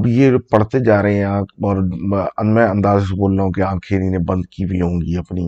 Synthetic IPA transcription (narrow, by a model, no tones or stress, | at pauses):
bjepɐɽ̤t̪ed͡ʒaːɾəɦɛ̃aːɔːɾɐmɛ̃ɐ̃nd̪aːzseboːlːaːɦũkiãːkʰeːɾinẽbɐ̃nd̪kibʱiɦõːŋɡiɐpni